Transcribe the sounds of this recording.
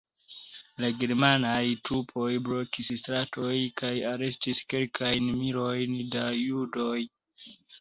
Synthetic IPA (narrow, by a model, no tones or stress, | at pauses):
laɡe̞ɾmanajtɾupʰo̞jbɾo̞kisstɾatʰo̞jkajaɾe̞stiske̞lkʰajnmiɾo̞jndajudo̞j